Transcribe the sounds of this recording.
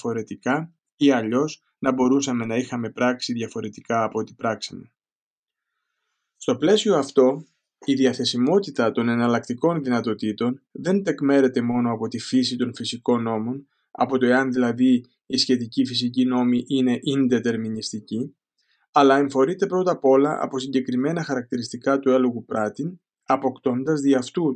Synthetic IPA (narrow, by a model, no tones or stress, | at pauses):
fo̞ɾe̞t̪ikɐ | iɐʎo̞s | nɐbo̞ɾusɐme̞nɐixɐme̞pɾɐksiðʝɐfo̞ɾe̞t̪ikɐːpo̞t̪i̥pɾɐksɐme̞ | st̪o̞ple̞sio̞ɐft̪o̞ | iðiɐθe̞simo̞t̪it̪ɐt̪o̞ne̞nɐlɐkt̪iko̞nðinɐt̪o̞t̪it̪o̞nðe̞nt̪e̞kme̞ɾe̞t̪e̞mo̞no̞ɐpo̞t̪ifisit̪o̞nfisiko̞nːo̞mo̞n | ɐ̰po̞t̪o̞eɐnðilɐðiː | sçe̞t̪icifisicino̞miʔine̞ʔind̪e̞t̪e̞ɾminist̪ici | ɐlɐeɱfo̞ɾit̪e̞pɾo̞t̪ɐpo̞lɐɐ̰po̞siɲɟe̞kɾime̞nɐxɐɾɐk̚t̪iɾist̪ikɐt̪ue̞loɣupɾɐt̪in | ɐpo̞kt̪o̞nd̪ɐzðiɐft̪u